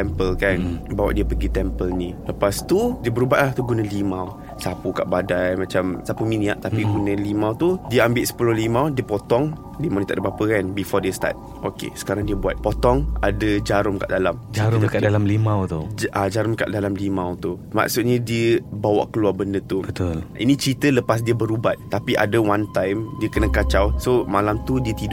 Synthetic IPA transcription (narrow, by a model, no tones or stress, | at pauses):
ɛmpəlkanbawaʔdiəpəɡit̪ɛmpəlnĩləpast̪udiəbəɾubaʔlaht̪uɡunəlimaw | sapuka̰ʔbadajmãt͡ʃamsapumĩniaʔt̪apiɡunãlimãwt̪udiəambɪʔ̪sə̥pulʊhlimawdiəpot̪ɔŋ | limawnĩt̪aʔdabapəkanbifɔdiəst̪a̰t̪̚ | ʔokḛsə̥kaɾaŋdiəbuat̪̚pot̪ɔŋadəd͡ʒaɾʊmka̰ʔdalamd͡ʒaɾʊkadalamlimãwt̪ud͡ʒʔad͡ʒaɾʊmka̰ʔdalamlimãwt̪u | ma̰ksut̪̚ɲãdiəbawa̰ʔkəluarbəndət̪ubət̪olḭnĩt͡ʃɾit̪ələpas̬diəbəɾubat̪̚t̪ːapiʔa̰dəwant̪ajmdiəkənə̃kat͡ʃawsomalamt̪udiət̪id